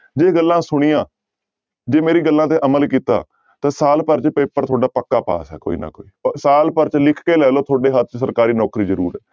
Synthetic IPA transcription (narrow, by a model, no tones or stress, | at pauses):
d͡ʒeːɡəlːãːsʊɽ̃iːãː | d͡ʒeːmeːɾiːɡəlːãːt̪̬eːʔəməlkiːt̪a̰ː | t̪ãːsaːlpəɾt͡ʃpeːpəɾt̪ʰoːɖaːpəkːaːpa̰ːsɛ̰ːko̰ːḭːna̰ːko̰ːiːsaːlpəɾt͡ʃlɪkʰkeːlɛːloːt̪ʰoːɖeːɦət̪̚ʰt͡ʃsəɾkaːɾiːnɔːkɾiːzəɾuːɾɛː